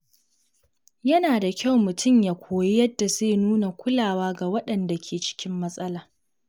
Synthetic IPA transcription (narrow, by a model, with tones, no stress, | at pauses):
jɐ˦naː˨da˨kʲa˦˨wmʊ˨tʰʊ˦˨mjaː˨kʷʰoː˨je˦jɐ˦dːa˨zeː˦˨nuː˦na˨kʷʊ˦laː˨waː˦ɡa˨wɐ˦ɗɐ˨nda˨kʲʰeː˨t͡ʃɪ̥˦kʲɪ˦mːɐ˦sʼɐ˦laː˨